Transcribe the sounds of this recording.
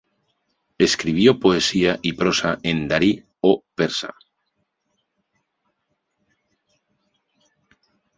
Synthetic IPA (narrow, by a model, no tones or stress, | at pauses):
eskɾiβ̞jopoesiaʔipɾosaʔend̪aɾi | opeɾsa̰